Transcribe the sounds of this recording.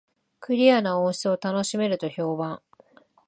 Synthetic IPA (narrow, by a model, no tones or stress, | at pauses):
kɯ̟ɾʲianaõɰ̃ɕt͡sɨo̞t̪ano̞ɕime̞ɾɯ̟t̪o̞ço̞ːbãŋ